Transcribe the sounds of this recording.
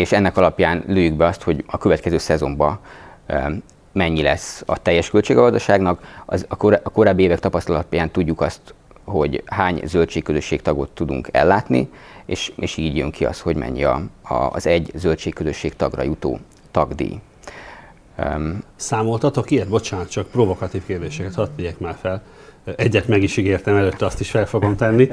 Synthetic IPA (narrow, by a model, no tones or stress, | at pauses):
eːʃɛnːɛkɒlɒpjaːnløːjyɡbɛɒst̪ho̞ɟɒkøvɛt̪kɛzøːsɛzo̞mbɒ | mɛɲːilɛsːɒ̰t̪ɛjːɛʃkølt͡ʃeːɡɒɡɒzd̪ɒʃaːɡnɒkɒ̰zɒkɾɒko̞ɾaːbːieːvɛkt̪ɒpɒst̪ɒlɒpjaːnt̪uɟːukɒst̪ | ho̞ɟhaːɲzø̞lt͡ʃeːkːøzø̞ʃːeːkt̪ɒɡo̞t̪ːud̪ṵŋkɛ̰lːaːt̪nḭeːʃeːʃiːɟjøŋkʰiɒ̰st̪ho̞ɟmɛ̰ɲːɒ̰ːzɛɟːzølt͡ʃeːkkøzøʃːeːkt̪ɒɡrɒ̰jut̪o̰ː | t̪ɒɡd̪ḭː | saːmo̞lt̪ɒt̪o̞kiɛt̪̚bo̞t͡ʃaːnɒt̪t͡ʃɒk̚provo̞kɒt̪iːfkeːrd̪eːʃɛkɛt̪hɒt̪viɟɛkmaːrfɛlɛɟːɛt̪mɛɡiʃiɡeːrt̪ɛmɛløːt̪ːɛɒst̪iʃfɛlfoɡo̞mt̪ɛnːi